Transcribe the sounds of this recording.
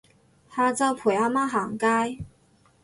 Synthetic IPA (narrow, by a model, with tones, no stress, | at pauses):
t̪ʰa˥t͡sɑ˥ʊpʰu˨˩a˥ma˥xa˨˩ŋka˥j